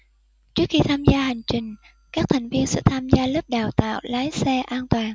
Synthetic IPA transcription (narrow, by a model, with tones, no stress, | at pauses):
t͡ɕɨ˦˥ək̚xi˧t̪ʰaː˧mzaː˧ha˨˩jŋ̟t͡ɕï˨˩ŋ̟ | kaː˦˥k̚t̪ʰa˨˩jŋ̟vi˧ənsɛ̰˧˥t̪ʰaː˧mzaː˧lə˦˥p̚ɗaː˨˩wt̪a̰ː˧˨wlaː˨˦jsɛ˧ʔaː˧nt̪waː˨˩n